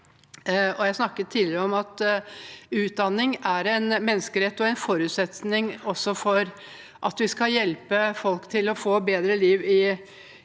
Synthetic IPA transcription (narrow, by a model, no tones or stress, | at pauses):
ɔjæɪsnɑkːətt̪ʰːiːd̪lɪɾəɔmɑt̪ | ʉːt̪̚d̪ɑnːɪŋæɾɛnmɛnːəskəɾɛt̪ːɔɛɪnfɔɾʉːt̪sɛt̪nɪŋɔsːɔfɔɾ | ʔɑt̪ʋɪskɑjɛlpəfɔlkt̪ʰɪlɔfoːbeːd̪ɾəliːʋɪ